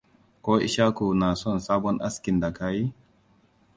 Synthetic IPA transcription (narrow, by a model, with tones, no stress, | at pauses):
koː˦ʔḭ˦ʃa˦ku˨na˨sɔ˦˨nsaː˦bɔ˦nʔa̰˦ski˨nda˨kaː˦ji˦